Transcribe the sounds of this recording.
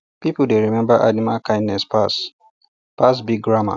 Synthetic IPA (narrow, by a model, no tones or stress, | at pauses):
pipuldeɹimɛ̃mbaʔanimalkʰãɪj̃nnɛspas | pas̬biɡ̚ɡɹama̰